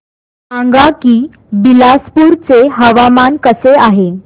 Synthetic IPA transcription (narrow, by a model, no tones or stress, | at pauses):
ãŋɡakiː | bilaspuːɾt͡seɦəʋamankəseaɦe